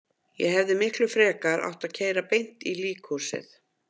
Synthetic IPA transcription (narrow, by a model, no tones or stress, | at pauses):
jɛ̰ɦɛvðɪmɪhklʏfɾɛːkaɾa̰wht̪aðcʰeːjɾapejn̥t̪iliːkʰɔ̥sɪ̰θ